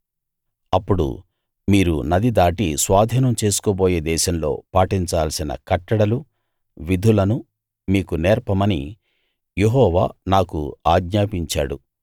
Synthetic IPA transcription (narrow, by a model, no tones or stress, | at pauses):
ɐpːuɽṵ | miːɾṵnɐd̪id̪aːʈisʋaːd̪ʱiːnɐmt͡ʃe̞ːsu̥koːboːjeːd̪ɛːʃɐmlo̞̰ːpaːʈiɲt͡ʃaːlsinɐ̰kɐʈːɐɽɐlu | ʋid̪ʱulɐnu | miːkunɛːɾpɐmɐnḭ | jeɦɔːʋa̰ːnaːkṵaːɡɲaːpiɲt͡ʃa̰ːɽu